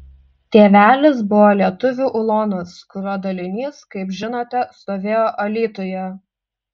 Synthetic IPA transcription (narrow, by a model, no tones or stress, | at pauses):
t̪ʲeːʋʲæːlʲɪs̬bʊʋoːlʲiɛt̪ʊʋʲuːʔʊlˠoːnʊskʊɾoːd̪ɐlʲɪnʲiːskɐɪpʒʲɪnoːt̪ʲɛst̪oːʋʲeːjoːʔɐlʲiːt̪ojɛ